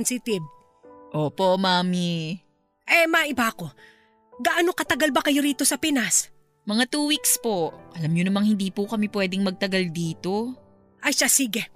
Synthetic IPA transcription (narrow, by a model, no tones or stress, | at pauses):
nsɪt̪ɪb̚ | ʔoːpo̞maːmi | ʔɛmaʔɪbaʔɐko̞ | ɡaʔɐnokɐt̪ɐɡalbɐkɐjo̞ɾiːt̪o̞sɐpɛnas | mɐŋat̪uːwikspo̞ʔɐlamɲonɐmɐŋhɪnd̪iːpukɐmɛpwɛːd̪ɪŋmɐɡ̚t̪ɐɡɐld̪iːt̪o̞ | ʔɐjʃasiːɡɛ